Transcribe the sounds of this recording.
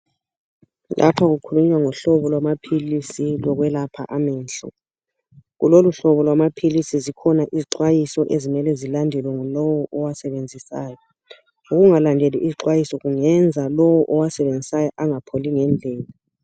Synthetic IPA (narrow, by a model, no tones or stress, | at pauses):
lʔa̰pʰaɣukʰuluɲwaŋɔɬɔβɔlwamapʰilisilɔɣwɛlapʰa̰ʔamɛːnɬɔ̰ | ɣṵloluɬɔβɔlwamapʰilisizikʰɔnaʔiziǃwajisɔʔezimɛlɛzilandʱɛlwɛŋɔlɔwɔʔɔwasɛβend͡zʱisaːjɔ | uɣuŋalandʱeliʔiziǃwajisɔɣuŋɛnd͡zʱalɔwɔʔɔwasɛβend͡zʱisajɔʔaŋapʰoliŋɛnd͡ɮʱɛːla